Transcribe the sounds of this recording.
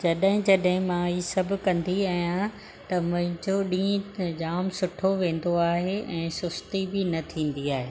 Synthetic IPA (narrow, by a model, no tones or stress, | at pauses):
d͡ʑɐɗɦɪ̃d͡ʑɐɗɦɪ̃mãiːsɐb̆ʱkɐ̃nd̪iaːɦijã | t̪ɐmʊ̃ɦɪ̃ɲd͡ʑoɗĩːẽd͡ʑaːmsʊʈʰoʋẽːn̆d̪oaːɦeʔɛ̃ːsʊst̪ibɪnɐt̪ʰĩːn̆d̪iaːɦeː